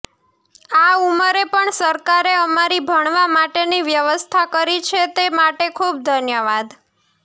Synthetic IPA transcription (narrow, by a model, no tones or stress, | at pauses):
auməɾepəɳsəɾkaɾeəmaɾibʱəɳ̃ʋamaʈeniʋjəʋəst̪ʰakəɾit͡ʃʰet̪emaʈekʰub̚d̪ʱənjəʋad̪